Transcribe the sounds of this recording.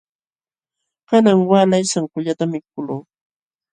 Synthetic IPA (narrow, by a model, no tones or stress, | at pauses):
kanaŋwaːlajsaŋkʊʎat̪amɪkkʊloː